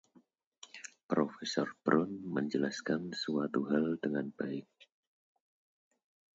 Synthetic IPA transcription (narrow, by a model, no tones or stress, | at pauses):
pɾofɛsɔrb̥ɾʊnməɲd͡ʒəlaskansuat̪uɦaldəŋanbaɪk̚